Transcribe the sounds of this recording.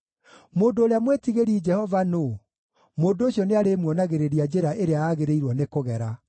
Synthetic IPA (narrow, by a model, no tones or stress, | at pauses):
moːndoːɾeamwetiɣeɾid͡ʒɛhɔvano | moːndooɕjɔneaɾemwɔnaɣeɾeɾiad͡ʒeɾaʔeɾeaaːɣeɾeiɾwɔnekoɣɛɾa